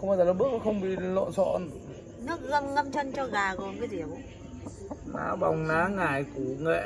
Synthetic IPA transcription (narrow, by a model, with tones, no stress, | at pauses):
xə˧wŋ͡maː˧˦jza˨˩la˨˩ɓɨ˦˥ək̚ːxə˧wŋ͡mɓḭ˧˨lɔ̰˧˨nsɔ̰˧˨n | nɨ˦˥ək̚ɣə˧nlə˧mt͡ɕə˧nt͡ɕɔ˧ɣaː˨˩ɣo˨˩nvəː˨˦jzi˨˩əwʔ | na̰ː˨˦ɓa˨˩wŋ͡mnaː˨˦ŋaː˨˩jku˧˩ŋḛ˧˨